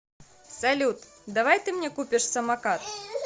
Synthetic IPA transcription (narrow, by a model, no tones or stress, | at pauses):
salʲut̪ | d̪avajt̪ɨmnʲɛkupʲɪʂsɐmakat̪